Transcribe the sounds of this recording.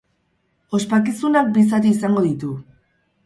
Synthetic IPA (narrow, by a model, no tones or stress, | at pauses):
o̞spak̬isunak̚bis̬at̪̬iːsaŋɡo̞ðit̪u